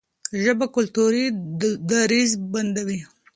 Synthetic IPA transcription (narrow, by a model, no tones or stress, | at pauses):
ʒəbakʊlt̪uɾid̪aɾizband̪awi